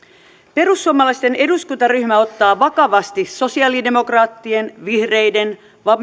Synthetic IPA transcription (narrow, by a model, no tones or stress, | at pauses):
pe̞rusːuomːɑlɑist̪e̞ne̞duskunt̪ɑryçmæo̞t̪ːɑːʋɑkɑʋɑst̪iso̞siɑlide̞mo̞krɑːt̪ːienʋihrejde̞n | ʋɑm